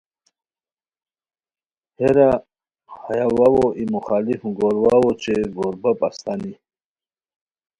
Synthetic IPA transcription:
heɾa | hajawawoʔimuxaːlifɡoɾwawot͡ɕeɡoɾbapast̪ani

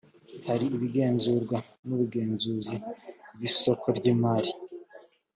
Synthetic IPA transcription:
haɾiːβiɡe̞ːnzuːɾɡwanuβuɡe̞ːnzuzibɡwiːso̞kʰoɾɟiːmaɾi

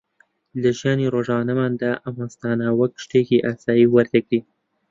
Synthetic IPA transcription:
ləʒjɑneɾoʒɑnamand̪aʔamast̪ɑnawakʃʈekeʔasɑːiwəɾt̪akɽi

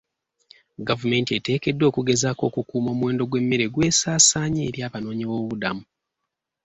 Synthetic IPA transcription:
ɡavume̞ntiete̞ːke̞dːo̞ːkuɡe̞zaːko̞ːkukuːmo̞ːmwe̞ːndo̞ɡwe̞mːeɾe̞ɡwe̞ːsaːsaːɲeːɾjaːβano̞ːɲiβo̞βudamu

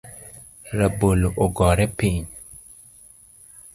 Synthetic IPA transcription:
ɾaboloʔoɡɔɾɛpiɲ

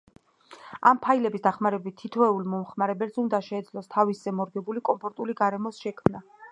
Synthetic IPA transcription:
a̰mpʰailɛbisd̪aχmaɾɛbit̪̚t̪ʰːit̪ʰɛulmɔmχmaɾɛbɛlsund̪aʃɛːd̪zlˠɔst̪ʰavisːɛmɔɾɡɛbulikʼɔmpʰɔɾt̪ʼuliɡaɾɛmɔsʃɛkʰmna

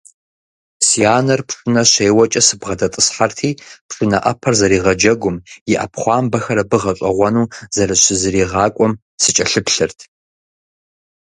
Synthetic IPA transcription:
siaːnɐrpʂɨnɐɕeːwɐt͡ʃʼɐsɨbʁɐdɐtʼɨsħartʰiːpʂɨnɐ̰ʔɐpʰɐrzɐɾiːʁɐd͡ʒɐɡʷʊmjɪʔɐ̰pʰχʷɑːmbɐxɐɾɐbɨʁɐɕʼɐʁʷɔnuːzɐɾɨɕɪzɨɾiːʁɑːkʷʼɔm | sɨt͡ʃʼɐɬɨpɬɨrtʰ

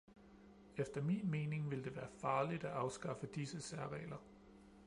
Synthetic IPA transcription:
efd̥ɐmḭːnme̝ːne̝ŋʋe̝ld̥e̝ʋæːɐfɑ̈ːlid̥æʔɑ̈ʊsɡ̥ɑ̈fəd̥isəsæɐʁɛ̰ːlɐ

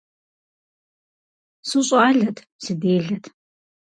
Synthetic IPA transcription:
sɨɕʼɑːɮɐtʰ | sɨdeːɮɐtʰ

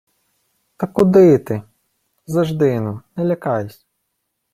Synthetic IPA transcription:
t̪ɐkʊd̪ɪt̪ɪ | zɐʒd̪ɪnʊnɛlʲɐkɑjʊsʲ

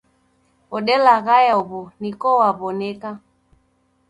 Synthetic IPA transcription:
ɔɗɛlaɣajaɔβɔnikɔwaβɔnɛka

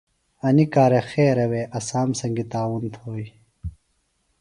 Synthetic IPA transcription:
ɐnikaːɾexeːɾɐweːʔɐsaːmsɐŋɡit̪aːwunt̪ʰoːi

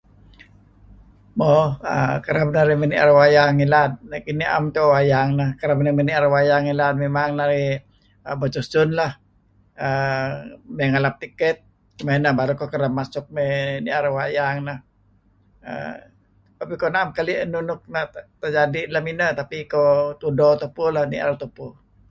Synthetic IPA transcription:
moə̰kəɾab̚naɾimeniʔa̰ɾəwajaŋilad̪̚nakiniʔa̰mk̪owajaŋnahkəɾabnameniaɾawajaŋilad̪̚memaŋnaɾi | əbət͡ʃusʊnlah | ə | meŋalap̚t̪ikɛt̪̚ | menabaɾukokəɾab̚mːasʊk̚meniaɾawajaŋnah | ə̰ | t̪apikonaamkalinunʊk̚nat̪əd͡ʒadilaminət̪apikot̪udot̪upulahnḭʔa̰ɾat̪upu

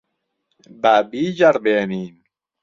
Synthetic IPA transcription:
babiːd͡ʑaɾbenim

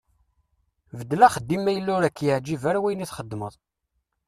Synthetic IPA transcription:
vəd̪ːlæχəd̪ːimːæjəlːʊɾækːjəʕd͡ʒivæɾwæjniθχəd̪ːməðˤ

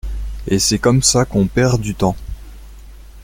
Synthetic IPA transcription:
esɛkɔmsakɔ̃pɛʁd̪yt̪ɑ̃

